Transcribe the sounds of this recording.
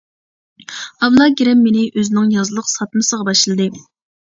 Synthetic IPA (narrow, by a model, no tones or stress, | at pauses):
ɑwlˠɑɡʲeɾɛmːenɪʔøzɪnɪŋjɑzlˠəqsɑt̪mɨsəʁɑbɑʃlˠɨd̪ɨ